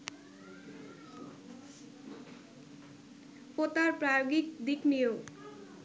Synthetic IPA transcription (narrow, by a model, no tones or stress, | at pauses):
kot̪aɾpɾajoɡik̚d̪iknijo